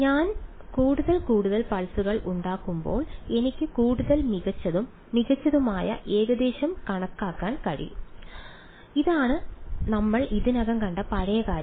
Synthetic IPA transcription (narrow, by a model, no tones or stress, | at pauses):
ɲaːnkuːɽuðɐlkuːɽuðɐlpɐɻɐsuɣɐɭʔuɳɖaːkːumbo̞̰ːɭe̞nikʲːɨkuːɽuðɐlniɣɐt͡ɕːɐðum | niɣɐt͡ɕːɐðumaːjɐ̰ʔe̞ːɣɐd̪eːɕɐmkɐɳɐkːaːkːaːnkɐɻḭj | iðaːɳɨnɐmːɐɭʔiðinɐɣɐŋkɐɳɖɐpɐɻɐjɐkaːɾjɐm